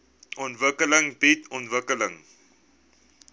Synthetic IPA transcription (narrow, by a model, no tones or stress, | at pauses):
ʔɔntvəkələŋbitʰɔntvəkələŋ